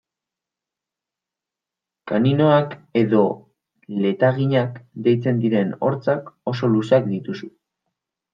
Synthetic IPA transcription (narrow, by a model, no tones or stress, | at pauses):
kaninoake̞ðo̞ | le̞t̪aɣiɲakd̪e̞jt͡se̞nd̪iɾe̞no̞̰ɾt͡sako̞so̞lusakd̪it̪usu